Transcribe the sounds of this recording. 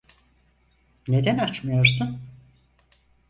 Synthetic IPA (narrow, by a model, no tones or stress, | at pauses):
ne̞d̪ænat͡ʃmɯjo̞ɾsun